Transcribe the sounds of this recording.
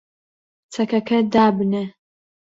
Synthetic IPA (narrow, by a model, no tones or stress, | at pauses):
t͡sʰɐkɐkʰɐd̪aːbɨne